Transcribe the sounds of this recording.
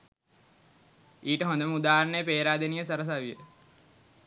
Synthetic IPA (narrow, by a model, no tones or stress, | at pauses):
iːʈəɦõnd̪əməud̪aːɾɳəjəpeːɾaːd̪enijəsɐɾəs̬aʋijə